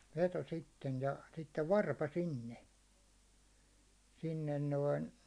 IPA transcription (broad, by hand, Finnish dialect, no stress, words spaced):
ʋeto sitːen jɑ sitːeʋ ʋɑrpɑ sinːe sinːen noin